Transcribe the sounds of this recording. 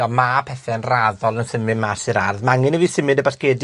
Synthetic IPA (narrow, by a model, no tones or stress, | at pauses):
ɔmapʰɛθɛənraðɔlˠənsəmɨmasɪɾarðmaŋɪnəviːsɪmɨdəbaskeːd